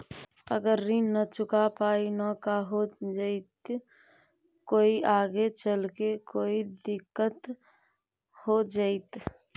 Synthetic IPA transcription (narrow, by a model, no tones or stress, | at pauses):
əɡəɾːinət͡ʃʊkapaːinəkaɦod͡ʒəɪt̪ | koːiʔaːɡet͡ʃəlkekoːid̪ɪkːət̪ | hod͡ʒaɪt̪